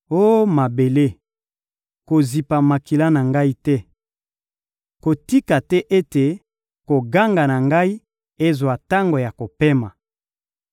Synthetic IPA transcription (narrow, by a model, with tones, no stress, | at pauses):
o˦ma˨be˨le˦ | ko˨zi˨pa˨ma˨ki˨la˦na˨ŋɡa˦i˦tɛ˦ | ko˨ti˦ka˨tɛ˦ʔe˦te˨ | ko˨ɡa˦ŋɡa˨na˨ŋɡa˦i˦ | e˦zwa˨ta˦ŋɡo˨ja˨ko˨pe˦ma˨